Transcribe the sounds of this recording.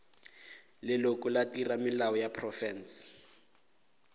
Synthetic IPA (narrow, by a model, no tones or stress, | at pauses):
lɪlokʊlatiramɪlaɔjapʰrɔfɛns